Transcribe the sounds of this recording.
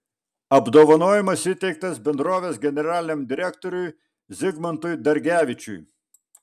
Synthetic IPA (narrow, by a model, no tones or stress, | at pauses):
ɐbd̪oːʋɐnoːjɪmɐsʲɪt̪ʲɛɪk̚t̪ɐsbʲɛnd̪ɾoːʋʲeːsɡʲɛnʲɛɾɑːlʲɪnʲeɛmd̪ʲɪɾʲɛkt̪ɔɾʲʊj | zʲɪɡmɐnt̪ʊjd̪ɐɾʲɡʲæːʋʲɪt͡ʃʲʊ̰j